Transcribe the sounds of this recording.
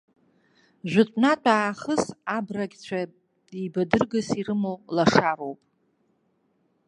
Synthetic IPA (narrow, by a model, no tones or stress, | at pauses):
ʒᶣʷʊtʷʼnatʷʼaːχəsabraɡʲt͡ɕʷʰa | ibadɨrɡasirɨmolaʂaɾo̞wpʼ